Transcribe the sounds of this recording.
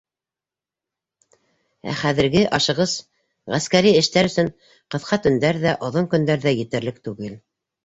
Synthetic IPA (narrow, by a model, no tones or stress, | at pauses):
æ̰χæðɘ̆ɾɡɘʔɑʃɤ̆ʁɤz | ʁæskæɾiɘ̆ʃt̪æɾɵ̆sɵɴ | qɤ̆θqʰɑt̪ɵ̆nd̪æɾðæʔŏðoŋkɵ̆nd̪æɾðæjɘ̆t̪ɘ̆ɾlɘk̚t̪ʉɡɘl